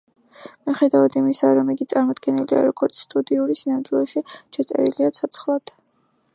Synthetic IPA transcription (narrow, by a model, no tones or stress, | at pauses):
miχɛd̪avad̪imisaɾɔmiɡit̪sʼaɾmɔd̪ɡɛnilia̰ɾɔɡɔɾt̪sʰst̪ʼud̪iuɾisinamt̪ʼilˠɔʃiʃɛt̪sʼɛ̰ɾiliat̪sʰɔt̪sʰχlˠad̪̥